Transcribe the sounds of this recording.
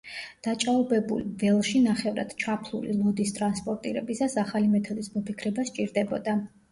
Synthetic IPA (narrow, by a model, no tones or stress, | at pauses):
d̪̥at͡ʃʼaɔbɛbṵlvɛlˠʃinaχɛvɾa̰d̪̥t͡ʃʰapʰlˠṵlḭlˠɔd̪ist̪ʼɾanspʼɔɾt̪ʼiɾɛbisasaχalimɛt̪ʰɔd̪ismɔpʰikʰɾɛbast͡ʃʼiɾd̪ɛbɔd̪a